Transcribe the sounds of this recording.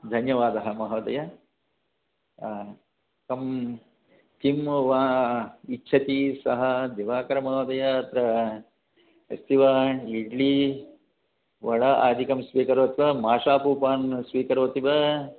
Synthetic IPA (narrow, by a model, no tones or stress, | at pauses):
d̪ʱɐnjɐʋaːd̪ɐɦɐ̆mɐɦɐːd̪ɐjɐ | kɐm | kimʋaːitːt͡ʃʰɐt̪isɐɦɐd̪eʋaːkɐɾɐmɐɦɐːd̪ɐjɐːt̪ɾɐ | ɐ̰st̪iʋɐiɖli | ʋɐɽɐʔa̰ːd̪ʱikɐmsʋiːkɐɾʋɐt̪iʋɐmaːʂaːpuːpaːnsʋiːkɐɾʋɐt̪iʋɐ